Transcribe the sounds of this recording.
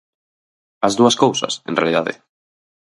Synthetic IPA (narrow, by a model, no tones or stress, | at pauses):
azðuɐskowsɐ̰sḛ̃nrealiðaðḛ